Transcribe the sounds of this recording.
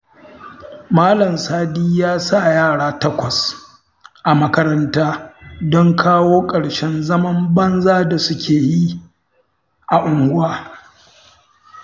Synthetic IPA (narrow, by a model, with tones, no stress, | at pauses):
maː˦lɐ˨msaː˦diː˦jaː˦sa˦˨jaː˦˨ɽaː˦tɐ˦kʷɐ˨s | ʔa˨mɐ˦kɐ˦ɾɐ˦ntaː˦dɔ˦ŋkʰaː˦woː˦kʼɐ˨ɽʃɛ˦nzɐ˦mɐ˦mbɐ˦nzaː˦da˨sʊ˦kʲʰeː˨ji˦ | ʔa˨ʔʊ˨ŋɡʷʊ˦waː˨